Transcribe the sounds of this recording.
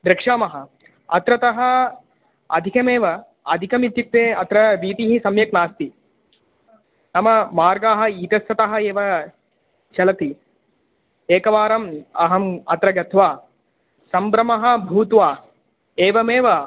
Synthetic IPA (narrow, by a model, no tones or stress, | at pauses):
d̪ɾɪkʂaːmɐɦɐ̆ | ɐt̪ɾɐt̪ɐɦɐ | ɐd̪ʱikɐmeːʋɐ | ɐd̪ʱikɐmit̪juk̚t̪eːɐt̪ɾɐɾiːt̪iɦisɐmjɐknaːst̪i | nɐmɐmaːɾɡaːɦɐ̆iːt̪ɐsːɐt̪ɐɦɐeːʋɐ | t͡ʃɐlɐt̪i | eːkɐʋaːɾɐmɐɦɐmɐt̪ɾɐɡɐt̪ʰʋaː | sɐmbɾɐmɐɦɐ̆bʱuːt̪ʋaː | eːʋɐmeːʋɐ